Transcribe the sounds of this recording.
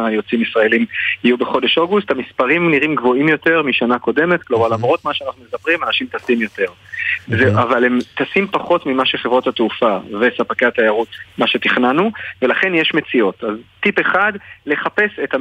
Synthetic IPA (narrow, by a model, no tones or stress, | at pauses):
jo̞t͡simisʁae̞limijubeχo̞de̞ʃo̞ɡusthamispaʁimniʁimɡvo̞imjo̞te̞ʁmiʃanako̞de̞me̞tklo̞maʁlamʁo̞t̪maʃeanaχnumezapʁimanaʃimt̪asimjo̞te̞ʁzeavalemt̪asimpaχo̞tmimaʃeχevʁo̞thatufave̞sapakeat̪ajaʁut̪maʃe̞t̪iχnanuve̞laχe̞njeʃme̞t͡sio̞taztipeχadle̞χape̞seta